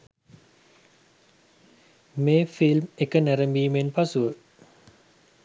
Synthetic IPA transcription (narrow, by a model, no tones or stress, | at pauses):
meːfilmekənæɾəmbiːmenpasuʋə